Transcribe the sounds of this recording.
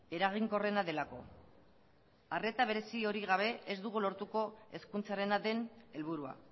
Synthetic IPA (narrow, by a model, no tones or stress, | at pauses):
e̞ɾaɣ̞iŋko̞re̞naðe̞lako̞̰ | are̞t̪aβ̞e̞ɾe̞sio̞ɾiɣ̞aβ̞e̞ʔezd̪uɣulo̞ɾt̪uko̞e̞skunt͡saɾe̞naðe̞ne̞lβuɾua̰